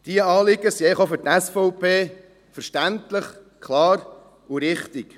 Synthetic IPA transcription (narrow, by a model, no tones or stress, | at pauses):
d̥iəɑːlɪɡəsiɛɪəχofɵɾtæsfɔʊpʰeː | fəɾʃtæntləχ | kʰlɑːɾ | uɾɪχt̪ɪk